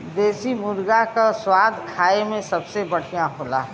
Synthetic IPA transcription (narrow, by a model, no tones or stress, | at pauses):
d̪eːsimʊɾɡakaswaːd̪ʱkʰaːemẽsɐbsebəɽ̤ijãɦoːla̰ːɦ